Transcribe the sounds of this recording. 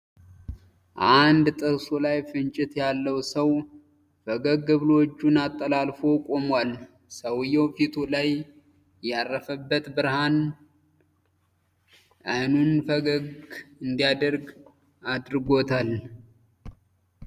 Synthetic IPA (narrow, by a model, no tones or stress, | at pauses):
ʔand̪t̪ʼɨɾsolajfɨnt͡ʃʼɪt̪jalːəwsəw | fəɡəɡɨβlot͡ʃːunat̪ʼːəlalfo̞kʼo̞mwal | səwjːɛwfit̪ʰolaj | jarːəfəbːət̪bɨɾhan | ʔajnunfəɡəɡɨnd̪ijad̪əɾɡ | ad̪ɾɨɡo̞t̪ʰal